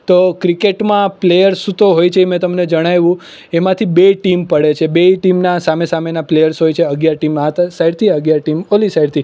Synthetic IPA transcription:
t̪okɾikeʈmãplejəɾsut̪oɦojt͡ʃʰemɛ̃t̪əmned͡ʒəɽ̃ajʋũ | emãt̪ʰibeʈimpəɽet͡ʃʰebeʈimnasamesamenaplejəɾsɦojt͡ʃʰeəɡjaɾʈimaɦət̪asaiɽt̪ʰiəɡjaɾʈimolisaiɽt̪ʰi

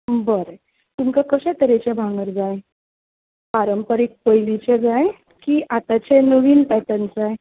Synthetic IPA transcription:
bəɾe | t̪umkakəɕɛ̃t̪əɾet͡ɕebʱaŋɡəɾd͡zaj | paɾəmpəɾek̚pəjlit͡ɕed͡zaj | kiʔat̪at͡ɕenəʋiːnp̪at̪ant͡saj

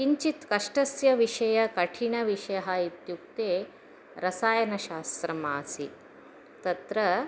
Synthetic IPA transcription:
kiɲt͡ɕit̪kɐʂʈɐsjɐʋiʂɐjɐkɐʈʰiɳɐʋiʂɐjɐɦait̪juk̚t̪e | ɾɐsaːjɐnɐɕaːst̪ɾɐmaːsi | t̪ɐt̪ɾɐ

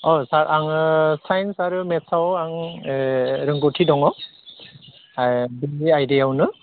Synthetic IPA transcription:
ɔsaɾʔaŋsajnsaɾɯmesawaŋ | ɾɯŋɡotʰidɔŋɔ | biajdeawnɯ

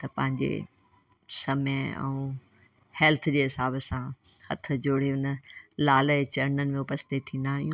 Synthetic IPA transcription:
t̪ɐpɐ̃ɦɪ̃ɲd͡ʑḛ | sɐməɛ̰̃ũː | hɛːlt̪ʰd͡ʑeːɦɪsaːbəsã | hɐ̰t̪ʰə̆d͡ʑoːɽ̤eʊnəlaːlət͡ɕɐɾnənɪ̆mẽʊpəst̪et̪ʰːĩːnd̪aːɦijũː

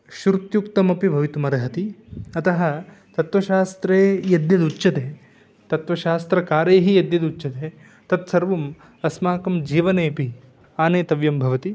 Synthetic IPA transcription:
ʃuɾut̪jukt̪ɐmɐpibʱɐʋit̪umɐɾɐɦɐt̪iɐt̪ɐɦɐ | t̪ɐt̪ʋɐʃaːst̪ɾeːjɐd̪jɐd̪utːt͡ʃɐt̪eː | t̪ɐt̪ʋɐʃaːst̪ɾɐkaːɾeːɦijɐd̪jɐd̪ut͡ʃːt͡ʃɐt̪eː | t̪ɐt̪sɐɾʋɐm | ɐsmaːkɐmd͡ʒiːʋɐneːɐpi | aːneːt̪ɐʋjɐmbʱɐʋɐt̪i

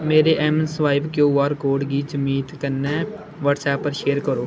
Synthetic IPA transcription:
meːɾeːʔɛːmənsʋaːɪbkjoːʋaːɾkoːɖɡiːd͡ʒəmiːt̪kənɛː | ʋəːʈsɛːpːəɾʃeːɾkəɾoː

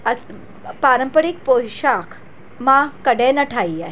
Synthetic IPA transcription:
ɐs | paːɾəmpəɾik̚poːʃaːkʰ | mãkɐɽenɐʈʰaːia

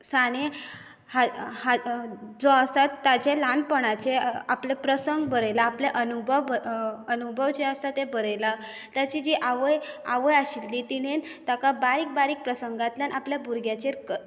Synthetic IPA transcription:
saɽe | hahad͡zɔəsat̪ːad͡ʑelanpəɽ̃at͡ɕeaplepɾəsəŋɡbəɾəjlaːpleʔənubʱəʋənubʱəʋt͡ɕeəst̪at̪ebəɾəjla | t̪jat͡ɕid͡ʑiʔaʋəjaʋəjaɕilːiːt̪iɽent̪akabaɾiːk̚baɾiːk̚pɾəsəŋɡat̪ljanʔapljabʱuɾɡjat͡ɕeɾk

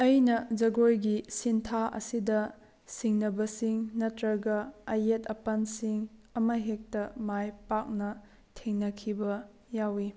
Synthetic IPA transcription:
ɐjnɐd͡ʒɐɡojɡisintʰaʔɐ̰sidɐ | siŋnɐbɐsiŋnɐtɾɐɡɐɐjetɐpɐnsiŋɐmɐɦek̚tɐmajpak̚nɐ | tʰeŋnɐkʰibɐ | jawi

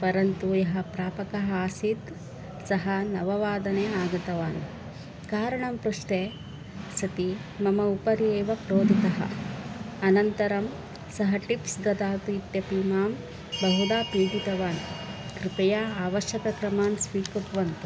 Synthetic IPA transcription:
pɐɾɐnt̪ujɐɦɐpɾaːpɐkɐɦɐaːsid̪ | sɐɦɐnɐʋɐʋaːd̪ɐneːaːɡɐt̪ɐʋaːn | kaːɾɐɳɐmpɾuʂʈeː | sɐt̪i | mɐmɐupɐɾieːʋɐpɾoːd̪ʱit̪ɐɦɐ̰ | ɐnɐnt̪ɐɾɐm | sɐɦɐʈipsɡ̪ɐd̪aːt̪uit̪jɐpiːmaːm | bɐɦud̪aːpiːɡit̪ɐʋaːnkɾipɐjaːaːʋɐʃjɐkɐkɾɐmaːnsʋiːkɐt̪ʋɐnt̪u

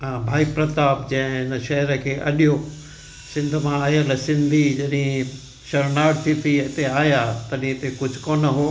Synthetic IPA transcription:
ɦãːbʱaːipɾɐt̪aːbd͡ʑɐ̃ɪ̃ɪnəʃɐɦɛɾəkʰeːʔɐɗijo | sɪ̃nd̪ʱmãaːɦijəlɛsɪ̃nd̪ʱid͡ʑɐɗĩ | ʃɐɾnaːɽt̪ʰit̪ʰiɪt̪eaːjaːt̪ɐɗĩɪt̪ekʊd͡ʑʱʊkoːnəɦoː

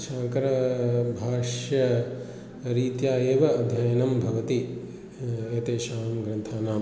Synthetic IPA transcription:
ʃaːŋkɐɾɐbʱaːʂjɐ | ɾiːt̪jaːjeːʋɐɐd̪ʱjaːjɐnɐmbʱɐʋɐt̪i | et̪eːʃaːmɡɾɐnt̪ʰaːnaːm

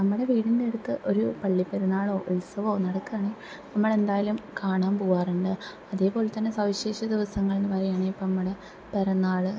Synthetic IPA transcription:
nɐmːɐɽe̞ʋiːɽindeɽut̪ːɨʔo̞ɾupɐɭːipːeɾɐnːaːɭo̞ːʔulsɐʋo̞ːnɐɽɐkːuaːɳe | nɐmːɐɭe̞nd̪aːjalumkaːɳaːmpoːwaːruɳɖɨ | ɐðe̞ːpo̞ːlet̪ːɐnːesɐʋiɕeːɕɐd̪iʋɐsɐŋːɐɭinɨʋɐɾɐjaːɳeipːoːnɐmːɐɽe | pɐɾɐnːaːɭɨ

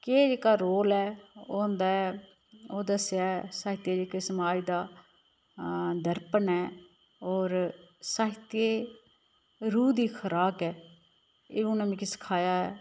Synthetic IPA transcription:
keːd͡ʒeːkaːɾoːlɛːoːnd̪aːɛ | oːd̪əsjaːɛsaːɦɪt̪jeːd͡ʒeːkɪsmaːid̪aː | d̪əɾpənɛː | ɔːɾsaːɦɪt̪eː | ɾuːd̪iːkʰəɾaːkɛː | ḛːʊnãmẽːkisə̥kʰaːjaːɛː

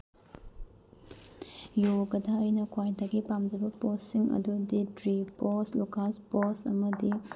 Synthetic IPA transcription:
joɡɐdaɐjnɐkʰwajdɐɡipamdɐbɐposiŋɐ̰duditɾiposlukasposɐ̰mɐdi

